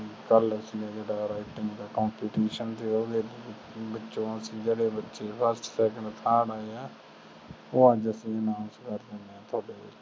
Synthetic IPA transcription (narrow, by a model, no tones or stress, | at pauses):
kələsĩːd͡ʒeːɽaːɾaːiʈɪ̃ŋɡd̪aːkaːmpiːʈiːʃənt̪eːʊd̪eː | bətːʃõːəsĩːd͡ʒeːɽeːbətːʃeːpʰəɾsʈsɛːk̬ə̃ɳɖt̪ʰaːɽaːeːɛː | oːãːd͡ʒəsĩːənãːnskəɾd͡ʒaneɛ̃ːt̪ʰoːɽeː